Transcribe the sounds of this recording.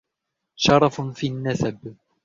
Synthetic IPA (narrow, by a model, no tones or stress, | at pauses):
ʃɑɾˤɑffiːʔanːasab